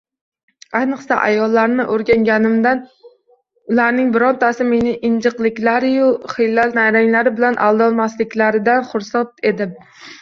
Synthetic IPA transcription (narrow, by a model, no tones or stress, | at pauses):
ajnɨqsa̰ʔa̰jɒlˠːaɾnɪʔoɾɡʲaŋɡʲanɪmd̪an | ʊlaɾnɪŋbɪɾɒnt̪ʰasɪme̞nɪʔɪnd͡ʒɨqlˠɪkʲlaɾɪjʊχɪjlːalnajɾaŋlaɾɪbɪlanʔa̰lˠd̪ɒlˠmaslɪkʲlaɾɪd̪anχʊɾsat̪e̞d̪ɪm